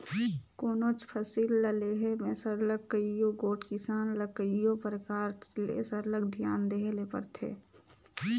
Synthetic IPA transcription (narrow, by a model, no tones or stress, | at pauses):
koːnot͡ʃpʰəsiːlːəleɦemẽsəɾləkːəijoɡoːʈkɪsaːnləkəɪjopəɾəkaːɾlḛsəɾləɡd̪ʱjaːnd̪eːɦlepə̰ɾt̪ʰḛː